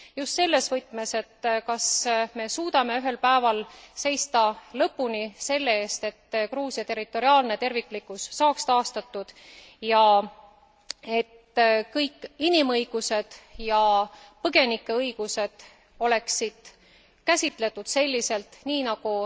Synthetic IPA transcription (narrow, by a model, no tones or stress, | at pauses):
just̪se̞lːe̞svɤjt̪ːˑme̞se̞t̪ːkɑsme̞suːd̪̥ɑme̞yɦe̞lpæevɑlse̞jst̪ɑlɤpːunise̞lːe̞e̞ːst̪e̞t̪ːkruːsjɑt̪e̞rit̪ːˑo̞ɾiɑːlne̞t̪e̞rvikːˑlikːˑusːɑːkst̪ɑːst̪ɑt̪ːˑud̪̥ | jɑ | e̞t̪kɤjkːˑinimɤjɡ̥use̞d̪̥jɑpɤɡ̥e̞nikːˑe̞ɤjɡ̥use̞d̪̥ | o̞le̞ksid̪̥ | kæsʲit̪ˑle̞t̪ːˑud̪̥se̞lʲːise̞lt̪niːnɑɡ̥u